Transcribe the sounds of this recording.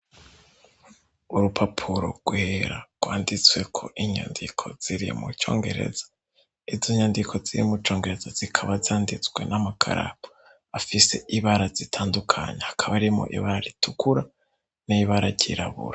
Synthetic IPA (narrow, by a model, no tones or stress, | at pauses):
uɾupʰapʰuɾo̰ɡ̥weɾa̰ɡ̥waːndit͡swe̞kʰo̞ʔiɲo̰ːndikʰo̞z̥iɾḭmṵt͡ʃo̞̰ːŋɡe̞̰ɾe̞̰zḁ | iziɲondikʰo̞ziɾḭmut͡ʃo̞ːŋɡe̞ɾe̞z̥az̥ikʰaβazaːndit͡sɡwe̞̰namakʰa̰ɾa̰po̥ | afise̞̰ʔiβaɾazitʰaːndukʰa̰ɲehakʰaβaɾimo̰ʔḭβaɾaɾitʰukuɾa | niiβaɾaɾɟiɾaβṵɾa